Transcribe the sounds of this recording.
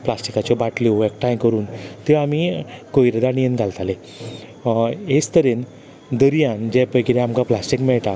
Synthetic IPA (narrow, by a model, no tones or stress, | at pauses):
plasʈikat͡ɕjɔbaʈleɛk̚ʈãjkəɾuːnt̪eamikoiɾed̪aɽ̃ijenɡʱalt̪ale | est̪əɾen | d̪əɾijãnd͡ʑɛpəjkiɾeamkaplasʈikmɛɭʈa